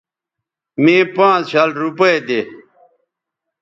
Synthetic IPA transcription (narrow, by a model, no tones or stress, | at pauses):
mẽːpãːt͡sɕalɾupɐed̪e